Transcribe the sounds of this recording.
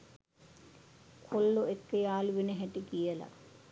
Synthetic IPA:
kʰolːoekːəjaːluʋinəɦæʈikijəla̰

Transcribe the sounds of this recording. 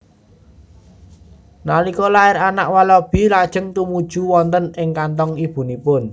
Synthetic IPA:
nalikɔlaɪɾanaʔwalɔb̥i̤lad̥ʒ̥ə̤ŋt̪umud̥ʒ̥ṳwɔnt̪ənɪŋkant̪ɔŋib̥ṳnipʊn

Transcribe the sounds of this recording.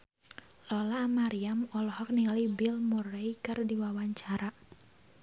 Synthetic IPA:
lɔlamaɾiamɔlhɔk̚niŋalibilmureikɨrdiwawaɲt͡ʃaɾa

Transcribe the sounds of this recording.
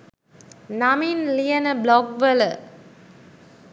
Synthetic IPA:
naminlijənəblɔɡʋələ

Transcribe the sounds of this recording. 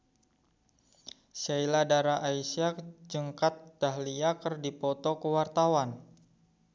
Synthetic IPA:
sailadaɾaʔaisiak̚d͡ʒəŋkat̪̚d̥aɦliakərdipɔt̪ɔkəwart̪awan

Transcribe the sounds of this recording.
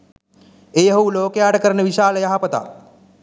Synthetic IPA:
ejɦɐwloːkejaːʈəkəɾənəʋiʃaːləjɐɦapət̪a̰

